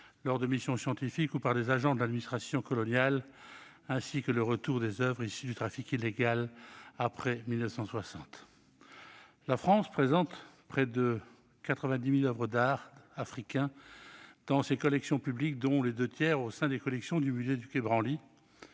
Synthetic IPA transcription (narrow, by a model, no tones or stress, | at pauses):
lɔʁd̪əmisjɔ̃sjɑ̃t̪ifikupaʁlezaʒɑ̃d̪əlad̪minist̪χasjɔ̃kɔlɔnjal | ɛ̃sikələʁət̪uʁd̪ezœvʁisyd̪yt̪χafikilːeɡalapχɛmilnəfsɑ̃swasɑ̃t̪ | lafχɑ̃spχezɑ̃t̪pχɛd̪ə | kat̪χəvɛ̃d̪imilœvʁəd̪aʁafχikʲɛ̃ | d̪̥ɑ̃sekɔlɛksjɔ̃pyblik̚d̪ɔ̃led̪øt̪jɛʁosɛ̃d̪ekɔlɛksjɔ̃d̪ymyzed̪ykebʁɑ̃li